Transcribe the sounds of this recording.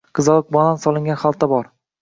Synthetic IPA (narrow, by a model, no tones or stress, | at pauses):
qʰɨzɒlˠk̚bɒnansɒlˠɪŋɡʲanχalˠt̪ʰːabɒɾ